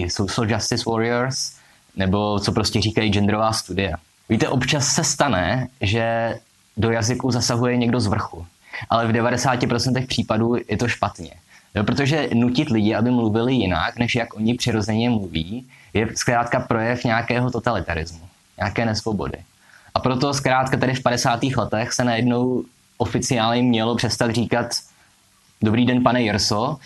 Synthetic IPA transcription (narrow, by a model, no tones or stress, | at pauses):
sowsld͡ʒast̪ɪswoɾɪɛɾs | nɛbo̞t͡so̞pɾo̞scɛriːkajid͡ʒɛnd̪ɾovaːst̪udɪa | viːt̪ɛʔo̞pt͡ʃasːɛst̪anɛʒɛ | do̞jazɪkuzasaɦujɛɲɛɡdo̞zvr̩xu | ʔalɛvdɛvadɛsaːcɪpɾo̞t͡sɛnt̪ɛxpr̝̥iːpaduːjɛt̪o̞ʃpat̪ɲɛ̰jo̞pɾot̪oʒɛnucɪt̪lɪɟɪabɪmluvɪlɪjɪna̰knɛʃjakʔo̞ɲɪpr̥ɪɾo̞zɛɲɛmluviːjɛskɾaːt̪kapɾo̞jɛfɲaːkɛːɦo̞t̪o̞t̪alɪt̪aɾɪzmu | ɲaːkɛːnɛsvobo̞̰dɪ̰ | ʔapɾo̞t̪o̞skɾaːt̪kat̪ɛɾɪfpadɛsaːt̪iːxlɛt̪ɛxsɛnajɛdno̞w | ʔofɪt͡sɪaːlɲɛmɲɛlo̞pr̥ɛst̪at̪r̝iːkat̪ | do̞bɾiːdɛnpanɛjɛɾso